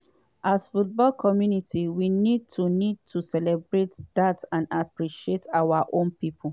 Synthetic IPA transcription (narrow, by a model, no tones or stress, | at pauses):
ʔasfut̚bɔlkʰɔmjunitʰiwinid̚tʰunid̚tʰusɛlɛbɹetdatãnapɹiʃietʰawaʔõnpipʰol